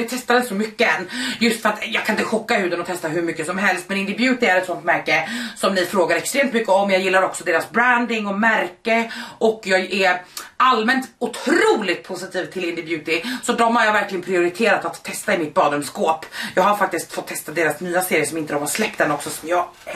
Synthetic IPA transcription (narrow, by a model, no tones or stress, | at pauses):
ɛt̪ʰɛst̪ad̪əsɔmʏkːəɛnːjɵst̪fœɾat̪jɑːɡkʰanɪnt̪əɧɔkːahʉ̟ːd̪ənɔt̪ʰɛst̪aɦʉɾmʏkːəsɔmɦɛlst̪mɛnɪnd̪ɪbjʉ̟ːt̪ɪæɾɛt̪sɔnt̪mæɾkəsɔmnɪfɾoːɡaɾɛkst̪ɾeːmt̪mʏkːəɔmjɑːjɪlːaɾɔksɔd̪eːɾasbɾænd̪ɪŋɔmæɾkəʔɔkːjɑːɡæɾʔalmɛnt̪ʊt̪ʰɾuːlɪt̪̚pʰʊsɪt̪ʰiːvt̪ʰɪlɪnd̪ɪbjʉ̟ːt̪ɪsɔd̪ɔmhaɾjɑːvæɾklɪɡənpʰɾɪʊɾɪt̪ʰeːɾat̪at̪ʰːɛst̪aɪmɪt̪̚bɑːd̪ɵmskoːpjɑːɡhaɾfak̚t̪ɪskt̪fɔt̪ʰːɛst̪ad̪eːɾasnyːaseːɾjəʂɔmɪnt̪əd̪ɔmhaɾʂlɛk̚t̪anɔksɔsɔmjɑːɡ